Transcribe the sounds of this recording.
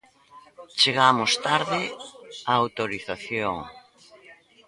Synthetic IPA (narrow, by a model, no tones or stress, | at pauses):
t͡ʃeɣamʊst̪aɾðɪaːwt̪oɾiθaθjoŋ